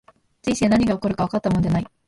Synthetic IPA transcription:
t͡ɕĩɕenaɲ̟iɡao̞koɾɯ̟kaβ̞akat̪ːamo̞nd̪enai

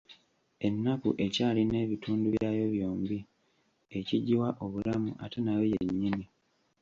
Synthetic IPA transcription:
e̞nːakṵʔe̞caːline̞ːβituːnduβjaːjo̞βjo̞ːmbi | e̞ciɟiwaʔo̞βulamuʔa̰te̞nawejeɲːini

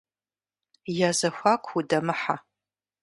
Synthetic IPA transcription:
jazaxʷakʷʰudamɨħa̰

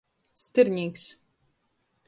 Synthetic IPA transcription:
st̪ɨɾʲnʲiːks

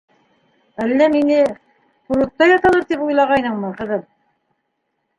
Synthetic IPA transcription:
ælːæminɘ | quɾŭt̪ːɑjɑt̪ɑlˠɤɾt̪ipujlˠɑʁɑjnɤɴmɤqɤ̆ðɤl

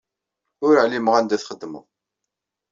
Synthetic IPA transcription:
ʊɾəʕliməʁænd̪æθχəd̪ːmə̰ʁˤ

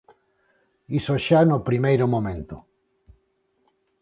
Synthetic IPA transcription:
isoʃanopɾimejɾomõmẽnt̪o

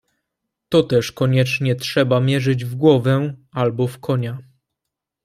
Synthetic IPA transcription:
t̪ɔt̪ɛʂkɔɲɛt͡ʂɲɛtʂɛbamʲjɛʐɘd͡ʑvɡwɔvɛalbɔfkʰɔɲa

